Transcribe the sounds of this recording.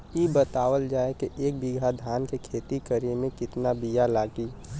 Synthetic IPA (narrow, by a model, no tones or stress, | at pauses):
ibət̪aːwəld͡ʒaːekeʔeːk̚bɪɡʱad̪ʱaːnkekʰeːt̪ikəɾemẽkɪt̪nabijalaːɡiː